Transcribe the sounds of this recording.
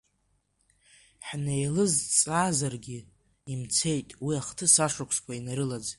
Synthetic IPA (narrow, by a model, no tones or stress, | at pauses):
ħne̞jlɨzt͡sʼaːzarɡʲɪ | imt͡sʰe̞jtʼwiaχtʰɨsaʂakʷʰskʷʰainaɾɨlad͡z